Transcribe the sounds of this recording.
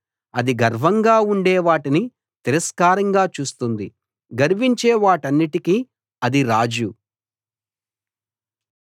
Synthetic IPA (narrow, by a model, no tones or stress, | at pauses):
ɐd̪iɡɐɾʋɐŋɡaːuɳɖɛːʋaːʈini | t̪iɾɐskaːɾɐŋɡaːt͡ʃuːst̪und̪i | ɡɐɾiʋiɲt͡ʃeːʋaːʈɐnːiʈiki | ɐd̪iɾaːd͡ʒu